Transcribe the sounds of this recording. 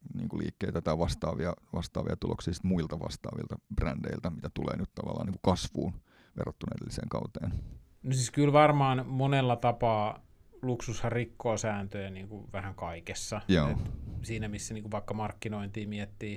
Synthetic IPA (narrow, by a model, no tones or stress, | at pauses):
nḭːŋkulḭːkːeit̪æt̪ɑʋɑst̪ɑːʋiɑʋɑst̪ɑːʋḭɑt̪uloksiːsi̥t̪muilt̪ɑʋɑ̰st̪ɑ̰ːʋḭlt̪ɑb̥rændeilt̪æmit̪æt̪ulḛːnyt̪t̪ɑʋɑ̰lːɑ̰ːniːku̥kɑsʋuːn | ʋḛrːot̪ːunɑʔedelːisḛːŋkɑuwt̪eːn | nosiskylʋɑrmɑːnmonelːɑt̪ɑpɑː | luksushɑrrikːoːsæːnt̪øjæniːŋkuʋæhæŋkɑikesːɑjoːet̪siːnæmisːæniːkuʋʋɑikːɑmɑrkːinoint̪iːmiet̪ːiː